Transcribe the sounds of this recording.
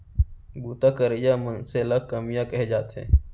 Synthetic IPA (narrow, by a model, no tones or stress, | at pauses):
ɡuːt̪akəɾəjamənseləɡ̚kəmijakɛɦed͡ʒaːt̪ɦɛ̰̃ː